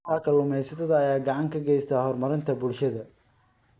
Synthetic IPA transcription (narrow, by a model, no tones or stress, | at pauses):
aːkʰɐlʊmɛjsɐt̪ʰɐðɐːjaːɡɑʕɑŋkʰɐɡɛjst̪ʰaːhɔrmɐɾɪnt̪ʰɐbʊlʃɐðɐ